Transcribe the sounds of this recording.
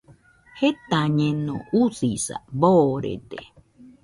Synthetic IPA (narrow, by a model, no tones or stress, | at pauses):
het̪aɲẽnõ̰usisa̰boɾḛt̪e